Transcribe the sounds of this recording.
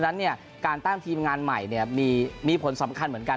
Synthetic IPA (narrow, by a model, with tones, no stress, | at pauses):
na˦˥nːi˥˩ɐə | kaː˧nt̪a˥˩ŋt̪ʰiː˧mŋaː˧nma˨˩jni˥˩ɐmiː˧miː˧pʰo˩˦nsa˩˦mkʰa˧nmɯ˩˦ənka˧